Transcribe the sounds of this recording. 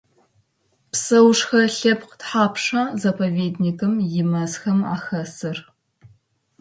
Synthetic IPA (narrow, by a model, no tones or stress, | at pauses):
psɐwʂxɐɬɐpqtħaːpʰʂɐzɐpʰɐveːdnikʰɨmjɪmɐzxɐma̰ːxɐsɨr